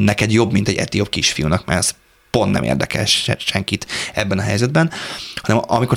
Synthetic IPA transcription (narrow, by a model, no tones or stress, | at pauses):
nɛkɛd̪jo̞bmint̪ɛɟːɛ̰t̪iopkiʃfijunɒkma̰ːɾs | po̞nt̪nɛ̰mḛːrd̪ɛ̰kɛ̰lʃɛ̰ʃɛŋkit̪ɛbːɛnɒɦɛjzɛd̪bɛnhɒnɛmɒmiko